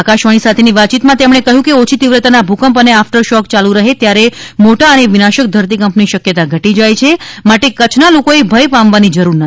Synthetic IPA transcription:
akaʃʋaɽ̃isat̪ʰeniʋat̚t͡ʃit̪mãt̪emɽ̃ekəɦjũkeot͡ʃʰit̪iʋɾət̪anabʱukəmpəneafʈəɾʃɔkt͡ʃalũɾəɦet̪jaɾemoʈaəneʋɪnaʃək̚d̪ʱəɾt̪̬ikəmpniʃəkjət̪aɡʱəʈid͡ʒajt͡ʃʰemaʈekət͡ʃʰnalokoebʱəjpamʋanid͡ʒəɾuɾnə

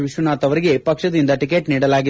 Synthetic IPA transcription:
ʋiʃʋɐnaːt̪ɐʋɐɾiɡe̞pɐkʂɐd̪ind̪ɐʈikeːʈniːɽɐlaːɡi

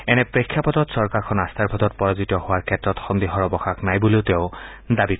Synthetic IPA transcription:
ɛnɛpɹekʰːjapɔtɔtsɔɹkaɹkʰɔnast̪ʰaɹbʱɔtɔt̚pɔɹazitɔhowaɹkʰɛtɹɔtxɔnd̪iɦɔɹɔbɔxaknajbuleʊtɛʊ | dabik

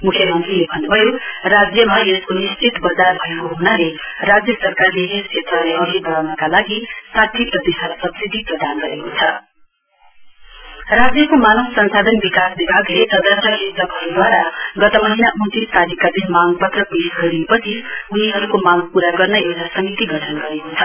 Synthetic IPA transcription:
mukʰjʌmʌnt̪rilebʱʌnːubʱʌjorad͡zjʌmaeskonist͡ʃit̪bʌd͡zarbʱʌekoɦunalerad͡zjʌsʌrkarleɦest͡ʃʰet̪rʌlaoɦibʌɾawnʌkalaɡisat̪ʰːiprʌd̪esʌɾusʌbsid̪ʱiprʌd̪ʱanɡʌɾekot͡sʰʌ | rad͡zjʌkomanʌɡsʌnsad̪ʱʌnbikasbibʱaɡlesʌd̪ʱʌsʰjʌisʌkɦʌɾud̪waɾaɡʌt̪ʌmʌɦinaʔut̪ist̪aɾikːad̪ʱinmaɡpʌt̪rʌpesɡʌɾiepʌt͡sʰiuniɦʌɾukomaŋpuɾaɡʌrnʌewʈʰasʌmit̪iɡʌʈʰʌnɡʌɾekot͡sʰʌ

